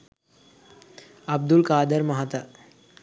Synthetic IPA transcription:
ɐb̚d̪ulkaːd̪əɾmɐɦat̪a

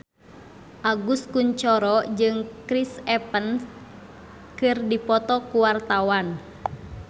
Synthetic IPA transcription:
ʔaɡuskuɲt͡ʃɔɾɔd͡ʒɨŋkɾisɛpəns | kɨrdipɔt̪ɔkuwart̪awan

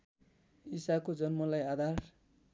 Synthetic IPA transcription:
isakod͡zʌnmʌlajad̪ʱar

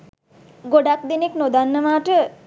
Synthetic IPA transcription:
ɡoɖak̚d̪eneknod̪anːəmaːʈə

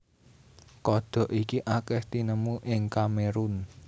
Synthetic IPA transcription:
kɔɖ̪̥ɔ̤ʔikiʔakɛht̪inəmuʔɪŋkameɾun

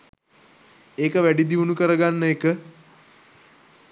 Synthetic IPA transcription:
eːkəʋæɖid̪iʋunukəɾəɡanːəekə

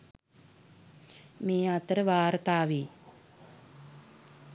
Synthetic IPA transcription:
meːat̪əɾəʋaːɾət̪aːʋiː

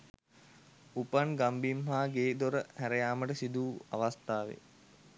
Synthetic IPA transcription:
upanɡambimɦaːɡeːd̪oɾəhæɾəjaːməʈəsid̪uːa̰ʋast̪aːʋḛ

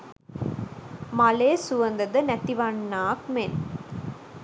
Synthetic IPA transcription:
mɐleːsʊʋɐnd̪ɐd̪ɐnɐt̪ːiʋaːnːaːkmen

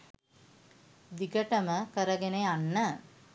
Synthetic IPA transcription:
d̪iɡəʈəməkəɾəɡeneanːə

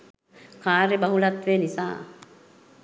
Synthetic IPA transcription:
kaːɾebɐɦulat̪ʋeːnisa̰ː

